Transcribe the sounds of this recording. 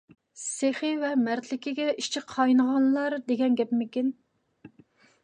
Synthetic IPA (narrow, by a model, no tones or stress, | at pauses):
seχɨvɛmæɾt̪lɪkʲʰiɡʲɛiʃt͡ʃʰɪqʰːɑjnəʁɑnlˠɑɾd̪eɡʲɛnɡʲɛpmɪkʲin